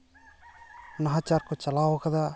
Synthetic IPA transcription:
nɐɦaːt͡ʃaːɾkut͡ʃɐlaːʋɐkɐd̪a

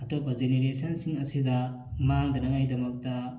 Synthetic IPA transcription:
ɐtopɐzeneɾesɐnsiŋɐsidɐ | maŋdɐnɐŋajdɐmɐk̚tɐ

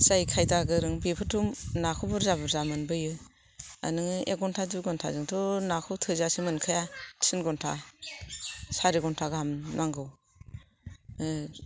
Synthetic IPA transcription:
sajkʰajtaɡɯɾɯŋbipʰɯtʰumnakʰɔbɔɾzabɯɾzamɯnbɯjɯ | a̰nɯŋɯeɡɔntʰaduɡɔntʰa̰zɯŋtʰɔnakʰɯwtʰɯzasimɯnkʰɯjasʰinɡɔntʰa̰ | saɾiɡɔntʰaɡaamnaŋɡɯw

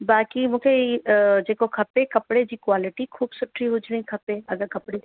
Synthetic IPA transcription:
baːkimʊkʰed͡ʒekokʰɐpẽkɐpɽed͡ʒikwaːlɪʈikʰuːbsʊʈʰɾiɦʊd͡ʒɾeĩkʰɐpẽɐɡəɾkɐpɽi

